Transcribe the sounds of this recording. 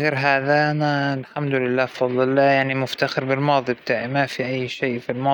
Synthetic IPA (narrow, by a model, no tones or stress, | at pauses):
ɣeːɾɦaːðaʔanalħamd̪ʊlɪlːaːfɑd̪ˤlɪlːaːjaʕnimʊft̪axɪɾbɪlmɑːðˤibt̪aːʕimafiʔajːʃeːfilmɑː